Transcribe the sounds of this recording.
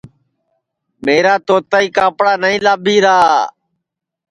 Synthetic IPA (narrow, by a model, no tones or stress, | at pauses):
meːɾaːt̪oːt̪aːiːkaːpɽaːnəĩːlaːbʱiːɾaː